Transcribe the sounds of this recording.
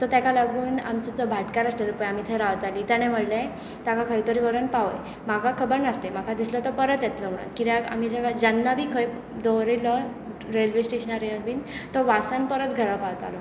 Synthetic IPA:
t̪ɔt̪jakalaɡuːna̰mt͡sət͡sɔbʱaʈkaɾəst̪eɾpəjam̤it̪ʰeɾaʋət̪alit̪jaɽ̃em̤əɽlẽ | t̪akakʰəjt̪əɾiʋəɾənpaʋəj | makʰakʰəbəɾnast̪em̤akʰad̪islət̪ɔpəɾət̪jɛt̪ləm̤əɽ̃a̰nt̪kit̪jaa̰m̤id͡ʑaɡad͡ʑanːabʱiːkʰəj | d̪ɔɾilɔ | ɾelʋesʈeɕənaɾeəlbiːnt̪ɔʋasanpəɾət̪ɡʱəɾapaʋt̪a̰lɔ

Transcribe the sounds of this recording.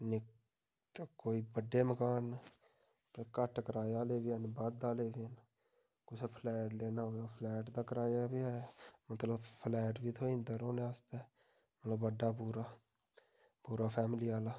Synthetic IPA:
nɪ | koːiːbəɖeːməkaːn | pkəʈkəɾaːeaːleːbiːənbad̪aːleːʋiːən | kʊt͡ʃʰpʰlɛːʈleːnaːɦoːaːpʰlɛːʈd̪aːkəɾaːjaːbiaːmət̪ləbpʰlɛːʈbiːt̪ʰoːĩːnd̪aɾoːnẽaːst̪ɛː | mət̪ləbːəɖːaːpuːɾaː | puːɾaːpʰɛːmliːaːlaː

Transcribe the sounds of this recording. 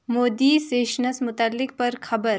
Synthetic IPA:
moːd̪iːseːʃnəsmʊt̪əlːɪk̚pɐɾxʰɐbəɾ

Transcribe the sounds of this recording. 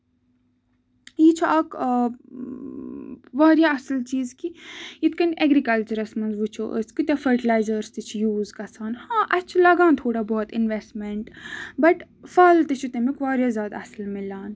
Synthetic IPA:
jiːt͡ʃʰuʔɐk | ʋaːɾjaɐsəlt͡ʃiːzkijit̪ʰkɐnɛɡɾikɐlt͡ʃəɾɐsmɐnzʋut͡ʃʰoʔə̰skit̪ʲjafɐɾʈilaːɪzəɾst̪ɨt͡ʃʰujuːzkɐsaːnhãːʔɐt͡ʃʰlɐɡãːnt̪ʰoːɽabɔːt̪ɪnʋesʈmeɳʈbɐʈ | fɐlt̪it͡ʃʰut̪emikʋaːɾjazjaːd̪a̰ɐsəlmɪlãːn

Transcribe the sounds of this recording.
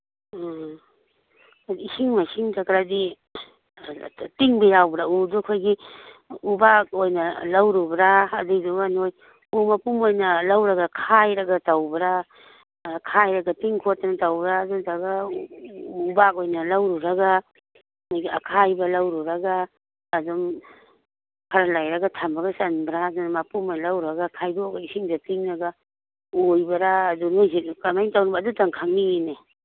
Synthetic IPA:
isiŋmasiŋtakɾadi | tiŋbɐjawbɾaudukʰojɡi | ubak̚ojnɐlɐwɾubɾaːduduanoj | umɐpumojnɐlɐwɾɐɡakʰajɾɐɡɐtawbɾa | kʰajɾɐɡɐtiŋkʰotːɐnɐtawbɾadutaɡa | ubakojnalawɾuɾaɡa | majɡaakʰajbalawɾuɾaɡaː | dɔŋ | kʰaɾalajɾaɡatʰambaɡasanbɾazɔnmapumojnalawɾaɡakʰajbaɔɡaisiŋdatiŋnaɡa | ojbɐɾaːduŋajikamajŋtawnabaːdutaŋkʰaŋine

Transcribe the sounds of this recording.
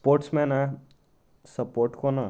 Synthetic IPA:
poɾʈsmẽna | səpoɾʈkona

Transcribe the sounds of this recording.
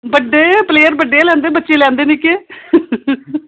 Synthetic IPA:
bəɖːeːpleːəɾbəɖːeːlɛ̃ːnd̪eːbətːʃẽːlɛ̃ːnd̪eːnikeː

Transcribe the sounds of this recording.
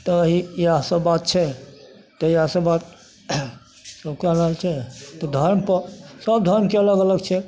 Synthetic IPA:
t̪ɔːɦiiasəbːat̪̚t͡ʃʰɛ | t̪ɔiasəbːat̪̚ | səbkeləɦəlt͡ʃʰɛt̪ɔd̪ʱəɾmpəɾsəb̚d̪ʱəɾmkeələɡələɡt͡ʃʰɛ

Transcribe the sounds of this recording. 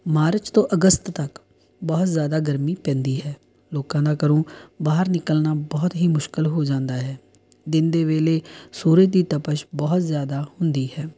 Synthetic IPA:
maːɾət͡ʃt̪õːʔəɡəst̪ːək | bɔːt̪zjaːd̪aːɡəɾmiːpɛ̃ːnd̪iːɦɛː | loːkãːd̪aːkəɾõːbaːɦəɾnɪkəlnaːbɔːt̪ɦiːmʊʃkɪlɦoːd͡ʒãːnd̪aːɦɛː | d̪ɪnd̪eːʋeːleːsuːɾət͡ʃd̪iːt̪əpəʃbɔːt̪zjaːd̪aːhʊnd̪iːɦɛː

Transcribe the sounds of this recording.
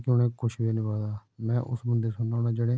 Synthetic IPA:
kjʊ̃ːneːkʊʃbeːnɪbaːd̪aːmɛ̃ːʔʊ̰sbənd̪eːsʊnːaoːnãːd͡ʒeːɽeː

